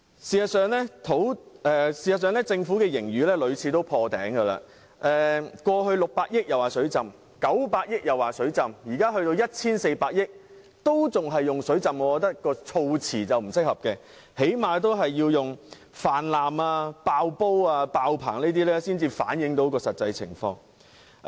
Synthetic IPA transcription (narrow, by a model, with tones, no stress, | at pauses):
siː˨hɐ˨tsœː˨˧ŋlɛ˥t̪ʰo˨˥wɛː˨˧siː˨hɐ˨ts̬œː˨˧ŋlɛː˥t͡sɪ˧ŋfuː˨˥kɛː˧jɪ˨˩ŋjyː˨lɛː˥lɵ˨˧ɥt͡sʰiː˨˧t̪o˥wpʰɔː˧t̪ɛ̰ː˨˥ŋkə˧la̰ː˧ | ʔɛː˨kʷɔː˧ɦɵ˧ɥlʊ˨k̚paː˧k̚jɪ˥k̚jɐ˨˩waː˨sɵ˨˥ɥt͡sɐ˨m | kɐ˨˥wpaː˧t̚jɪ˥k̚jɐ˨˩waː˨˩sɵ˨˥ɥt͡sɐ˨mjiː˨˩kaː˥ɦɵ˧ɥt̪o˧wjɐ˥t̚t͡sʰiː˥nse˧jpaː˧k̚jɪ˥k̚ | t̪o˥wt͡sʊ˨ŋɦɐ˨jːʊ˨ŋsɵ˨˥t͡sɐ˨mŋɔ˨˧kɔ˧t̪ɐ˥kkːɔː˧t͡sʰo˧wt͡sʰiː˨˩t͡sɐ˨wm̩˨˩sɪ˥k̚hɐ˨p̚kɛː˧ | he˨˥jmaː˨t̪o˥wɦɐ˨jːiː˧wjʊ˨ŋ | faː˨˩nlaː˨maː˧paː˧wpo˥waː˧paː˧wpʰa̰ː˨˩ŋneː˥t̪̬iː˥lɛː˥siː˥nt͡siː˧fa̰ː˨˥njɪ˨˥ŋt̪o˨˥wkɔː˧sɐ˨t̚t͡sɐ˧jt͡sʰɪ̰˨˩ŋfɔː˧ŋ